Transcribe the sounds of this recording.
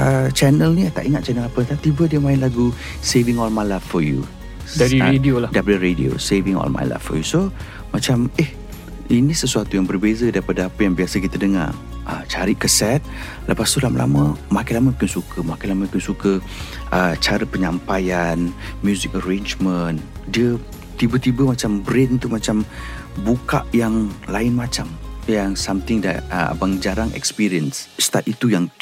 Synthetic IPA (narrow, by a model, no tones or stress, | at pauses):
ət͡ʃɛnəlnit̪a̰ʔiŋat̪̚t͡ʃɛnəlapət̪at̪ibədiəmãɪnlaɡu | sevɪŋɔlmajlaffɔjṵ | daɾiɾedioladaipadəɾedḭo̰sevɪŋɔ̰lma̰jla̰ffɔ̰juso | mat͡ʃameh | inĩsəsuat̪ujaŋbərbezədaɾipadəapəjaŋbiasəkit̪ədəŋa̰rʔə̰t͡ʃaɾiʔkəsɛt̪̚ | ləpast̪ulamə̰lʔa̰məmakanlaməkɪnsukʰəmakanlaməukɪnsukə | ʔət͡ʃaɾəpəɲampajanmjuzik̚əɾend͡ʒməndiə | t̪ibət̪ibəmat͡ʃambɾenunt̪uʔmat͡ʃam | buka̰ʔjaŋlaɪnmat͡ʃamjaŋsamt̪ɪŋda̰ə̰baŋd͡ʒaɾaŋɛ̰kspiɾiənsst̪at̪it̪ujaŋ